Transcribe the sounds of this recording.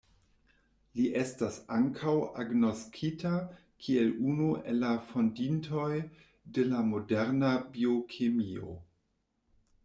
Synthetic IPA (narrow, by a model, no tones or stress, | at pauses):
liʔe̞stasaŋkʰawa̰ɡno̞skʰita | kʰie̞lunuḛlːafo̞ndintʰo̞j | de̞lamo̞deɾnabio̞kʰemio̰